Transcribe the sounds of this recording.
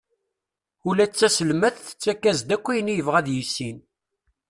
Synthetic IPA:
ulæt͡sːæsəlmæθθə̥t͡sːækːæzd̪ækʷːijnijəvʁæðjisːin

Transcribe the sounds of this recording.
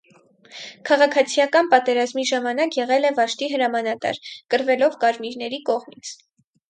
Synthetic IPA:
kʰɑʁɑkʰɑt͡sʰijɑkɑnpɑt̪ɛɾɑzmiʒɑmɑnɑkjɛʁɛlɛvɑʃt̪iɦəɾɑmɑnɑt̪ɑ̰ɾkəɾvɛlɔvkɑɾmiɾnɛɾikɔʁmit͡sʰ

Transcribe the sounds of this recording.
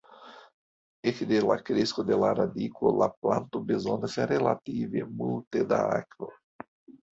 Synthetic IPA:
ekid̪ela̰kɾeskod̪elaɾad̪ikolaplãnt̪ʊbezõnd̪ɐsaɾela̰t̪ivemult̪ed̪a̰akvo

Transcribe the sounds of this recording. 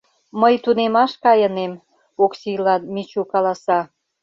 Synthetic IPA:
məjt̪unemɑʃkɑjənem | oksilɑnmit͡ɕukɑlɑsɑ

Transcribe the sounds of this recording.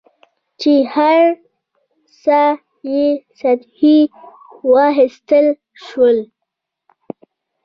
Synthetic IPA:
t͡ʃehaɾ | sa | jesat̪hi | wɑɦɪst̪əl | ʃwəl

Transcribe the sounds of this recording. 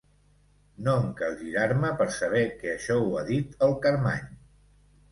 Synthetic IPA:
noŋkəlʒiɾaɾməpəɾsəβ̞ɛkɛəʃɔuaðit̪əlˠkəɾma̰ɲ

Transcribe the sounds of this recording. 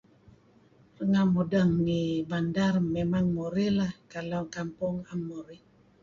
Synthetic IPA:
rəŋamudaŋnibandarmemaŋmoɾilahkalakampʊŋamːoɾi

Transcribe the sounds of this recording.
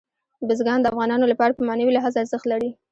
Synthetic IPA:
bɪzɡɑnd̪əafɣɑnɑnolapɑɽapəmɑnawilaɦɑzaːɾzəxt̪laɾi

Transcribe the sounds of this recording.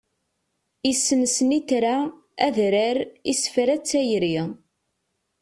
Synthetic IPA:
isːənsəniθɾa | æðɾəɾisfɾæt͡sːæjɾi

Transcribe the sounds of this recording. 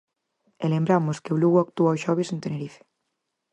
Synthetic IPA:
elembɾamʊskɪβluɣak̚t̪uaoʃɔβ̞esent̪eneɾife̥

